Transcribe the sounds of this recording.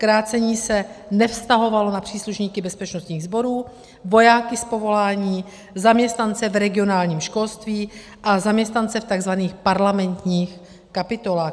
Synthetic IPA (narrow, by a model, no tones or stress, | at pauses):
kɾaːt͡sɛɲiːsɛnɛfst̪aɦo̞valo̞napr̥iːsluʃɲiːkɪbɛspɛt͡ʃnost̪ɲiːɣzbo̞ɾuː | vo̞jaːkɪspo̞vo̞laːɲiː | zamɲɛst̪nant͡sɛvɾɛɡɪo̞naːlɲiːmʃko̞lst̪viː | ʔazamɲɛst̪nant͡sɛft̪aɡzvaniːxpaɾlamɛnt̪ɲiːx | kapɪt̪o̞laːx